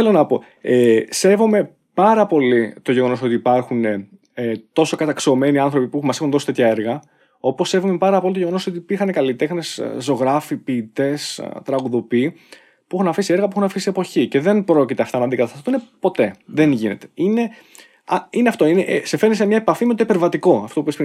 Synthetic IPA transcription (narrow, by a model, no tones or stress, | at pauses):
θelo̞nɐpo̞ | ese̞vo̞me̞ | pɐɾɐpo̞lit̪oʝeɣo̞no̞sot̪iːpɐɾxune̞ | t̪o̞so̞kɐt̪ɐksio̞me̞niɐnθɾo̞pipuemɐsexunðo̞si̥t̪et̪ʰçɐe̞ɾɣɐ | o̞po̞sːe̞vome̞pɐɾɐpo̞lit̪ojeonoso̞t̪̬iːpiɾxɐne̞kɐlit̪e̞xne̞szo̞ɣɾɐfipiːt̪e̞st̪ɾɐɣuðo̞piː | puexunɐfisie̞ɾɣɐpuexunɐfisiepo̞çice̞ðe̞npɾo̞cit̪eɐft̪ɐnɐd̪iɡɐt̪ɐst̪ɐθunepo̞t̪e̞ðe̞nʝine̞̰t̪eine̞ | ɐineɐft̪oineʔsefeɾnisemɲɐepɐfimet̪oipeɾvɐt̪iko̞ɐft̪opupespi